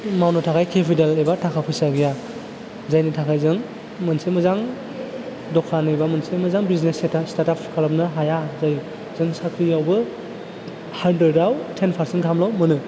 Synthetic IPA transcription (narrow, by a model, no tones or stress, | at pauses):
mawnɯtʰakʰajkʰepʰidalejbatʰakʰapʰɯjsaɡija | zajnɯtʰakʰajzɯŋ | mɯnsemɯzaŋ | dɔkʰanɯjbamɯnsemɯzaŋbiznesetastaɾtapkʰalap̚nɯɦajazaj | zɯŋsakʰɾijawbɯ | handɾedawtʰenpʰaɾsentkʰamlawmɯnɯ